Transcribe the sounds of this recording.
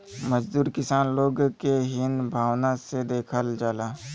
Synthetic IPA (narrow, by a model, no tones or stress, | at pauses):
məd͡ʒd̪uːɾkɪsaːnloːɡkeɦɪnbʱaːwnased̪eːkʰəld͡ʒaːlaː